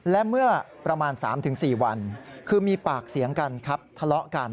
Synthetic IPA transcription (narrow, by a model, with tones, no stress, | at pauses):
lɛ˦˥mɯ˥˩ɐ | pɾa˧maː˧nsa̰ː˩˦mt̪ʰɯ˩˦ŋsiː˨˩wa˧nkʰɯː˧miː˧paː˨˩k̚si˩˦əŋka˧nkʰa˦˥p̚t̪ʰa˧lɔ˦˥ʔka˧n